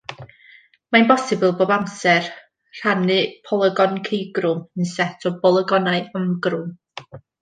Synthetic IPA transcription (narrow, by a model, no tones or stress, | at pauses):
maɪ̃nbɔsɪbʊlˠboːbamsɛr | r̥anɨpʰɔlˠəɡɔnkʰejɡrʊmənsɛtʰɔbɔlˠəɡɔnaɨəmɡrʊm